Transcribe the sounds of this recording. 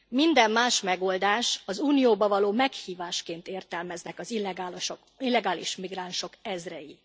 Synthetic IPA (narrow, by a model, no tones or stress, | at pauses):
mind̪ɛmːaːʃmɛɡo̞ld̪aːʃɒzuːnijoːbɒvɒloːmɛkhiːvaːʃkeːnt̪eːrt̪ɛlmɛznɛkɒzilːɛɡaːloʃo | ilːɛɡaːlḭʃmiɡranʃo̞kɛzrɛji